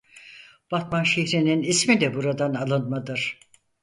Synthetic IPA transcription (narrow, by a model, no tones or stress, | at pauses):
b̥at̪manʃeçɾininismid̪ɛbuɾad̪analˠɯnmad̪ɯɾ̥